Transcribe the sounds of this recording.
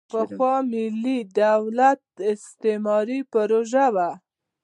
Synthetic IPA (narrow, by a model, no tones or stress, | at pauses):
pəxwɑmɪlːid̪awlat̪̚ɪst̪emɑɾipəɾoʒawa